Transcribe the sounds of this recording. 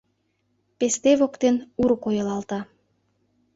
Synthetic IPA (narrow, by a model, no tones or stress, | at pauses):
pest̪eβokt̪enuɾokojəlɑlt̪ɑ